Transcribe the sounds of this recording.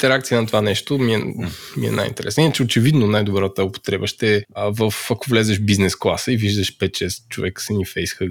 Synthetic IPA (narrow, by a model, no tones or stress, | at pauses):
t̪ɛɾɛakt̪ijənɐt̪ovanɛʃt̪omiɛmḭɛ̰na̰jḭnt̪ɛɾɛsnəinət͡ʃɛot͡ʃɛvid̪nonajd̪obɾat̪əʊpo̥t̪ɾɛbəʃt̪ɛvəfɐkovlɛzɛʃbiznɛsklˠa̰səiviʒd̪əʃpɛt͡ʃɛst͡ʃovɛksɛnifɛjsxə